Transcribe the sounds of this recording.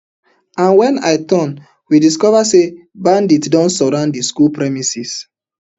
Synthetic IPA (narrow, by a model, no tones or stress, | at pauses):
ãnwɛ̃na̰ɪtɔ̃n | widiskɔvase | bãnditdɔ̃nsɔɹãʊ̃ndiskulpɹɛmisis